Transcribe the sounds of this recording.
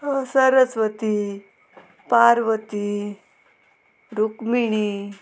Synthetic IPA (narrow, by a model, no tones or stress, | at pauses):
səɾət͡sʋət̪i | paɾʋət̪i | ɾukmiɽ̃i